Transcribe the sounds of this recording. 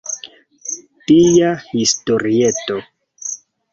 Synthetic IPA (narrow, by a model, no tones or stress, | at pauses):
tijahisto̞ɾieto̞